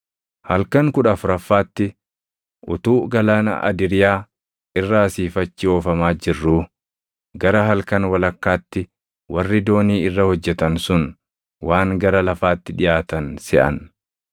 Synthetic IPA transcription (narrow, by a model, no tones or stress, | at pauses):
hɐlkɐŋkʊᶑɐfʊɾɐfːaːt̪ːɪ | ʔʊt̪uːɡɐlanɐ̰ʔɐ̰d̪ɪɾɪjaː | ɪrːɐɐsiːfɐt͡ʃːɪoːfɐmaːd͡ʒɪrːuː | ɡɐɾɐɦɐlkɐnwɐlɐkːaːt̪ːɪ | wɐrːɪd̪o̞ːniːɪrːɐhɔd͡ʒːɛt̪ɐnsʊn | waːŋɡɐɾɐlɐfaːt̪ːɪᶑɪjʔaːt̪ɐnsɛʔɐ̰n